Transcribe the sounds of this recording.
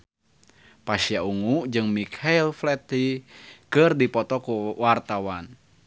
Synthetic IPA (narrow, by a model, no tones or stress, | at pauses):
pasiauŋud͡ʒɨŋmikʰailflɛt̪ikɨrdipɔt̪ɔkuwart̪awan